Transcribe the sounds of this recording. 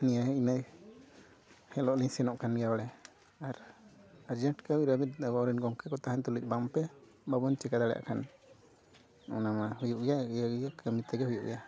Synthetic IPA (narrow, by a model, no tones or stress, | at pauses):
nijajinaj | hɛlɔʔliɲsɛnɔʔkʰanɡjawaɽɛ | aɾaɾd͡ʒɛɳʈkəwiɾəmit̪bɔɾinɡɔŋkɛkɔt̪aɦant̪ulic̚ˀbampɛ | babɔnt͡ʃɛkad̪aɽɛja̰ʔkʰan | ɔ̰namahujuʔɡjaaɡjakəmit̪ɛɡɛhujuʔɡɛja